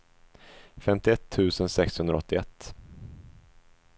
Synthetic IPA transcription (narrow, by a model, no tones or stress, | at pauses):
fɛmt̪ɪɛt̪ʰːʉ̟ːsənsɛkshɵnd̪ɾaɔ̰t̪ːɪɛt̪ː